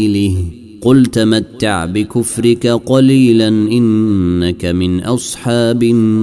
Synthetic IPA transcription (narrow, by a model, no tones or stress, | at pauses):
lɪh | qʊlt̪amat̪ːa̰ʕbɪkʊfɾɪkaqɑliːlanʔɪnːakamɪnʔɑsˤħɑːbɪ